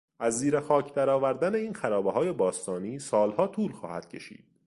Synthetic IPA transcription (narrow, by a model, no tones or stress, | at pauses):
ʔæzːiːɾexɒːcʰd̪æɾɒːvæɾd̪æne̞iːnxæɾɒːbeɦɒːje̞bɒːst̪ɒːniːsɒːlhɒːt̪ʰuːlxɒ̰ːhæ̰d̪̥̚cʰe̞ʃḭːd̪̥̚